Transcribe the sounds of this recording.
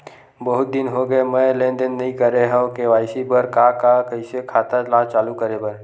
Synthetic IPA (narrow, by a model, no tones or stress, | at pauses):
bəɦʊt̪̚d̪ɪnɦoɡəemɛ̃lẽːnd̪ənːɐɦĩkəɾeɦə̃keʋaːɪsibəɾkakakəisekʰaːt̪alaːt͡ʃaːlukəɾebəɾ